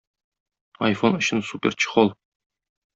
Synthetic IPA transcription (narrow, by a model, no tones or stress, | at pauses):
ɐ̰jfonɵ̆ɕɘnsupʲert͡ɕɤ̥̆χɒlˠ